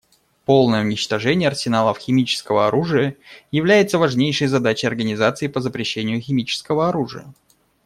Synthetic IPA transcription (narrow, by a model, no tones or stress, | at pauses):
po̞lˠnəjunʲɪt͡ɕt̪ɐʐɛnʲɪjɐrsʲɪnalˠəfxʲɪmʲit͡ɕɪ̥skəvəɐɾuʐɨjəjɪvlʲæjɪt̪səvɐʐnʲejʂəjzɐd̪at͡ɕɪjɐrɡənʲɪzat̪sɨɪpəzəpɾʲɪɕːenʲɪjʊxʲɪmʲit͡ɕɪ̥skəvəɐɾuʐɨ̰jə̰